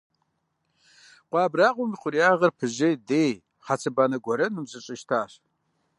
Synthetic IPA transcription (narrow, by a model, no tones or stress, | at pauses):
qʷɑːbraːqʷʊmiχʷʊɾiaːʁɐrpʰɨʒɐdeːj | χat͡sʰɨbaːnɐɡʷɔɾɐnɨmzʼɨɕʼɪʃtʰaːɕ